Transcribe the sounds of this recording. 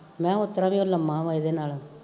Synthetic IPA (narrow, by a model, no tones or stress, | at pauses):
mɛ̃ːot̪ːɾãːʋĩolamãːʋaːjd̪eːnaːlaː